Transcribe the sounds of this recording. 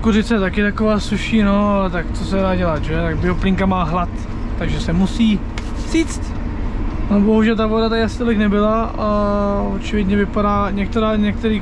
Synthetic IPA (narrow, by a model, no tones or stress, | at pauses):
kuzɪt̪t͡sɛt̪akɪt̪akovaːsuʃiːno̞aɛt̪ak̪t͡sosɛdaːɟɛlat̪ʒɛt̪aɡbɪoplɪŋkamaːɦlat̪ː | aɡʒɛsɛmusiː | z̥iːt͡st̪ | nobo̞ɦuʒɛlt̪avodat̪akɪasɪ̥t̪olɪknɛbɪlaaot͡ʃɪvɪdɲɛvɪpadaːɲɛk̚t̪ɛɾaːɲɛk̚t̪ɛɾiː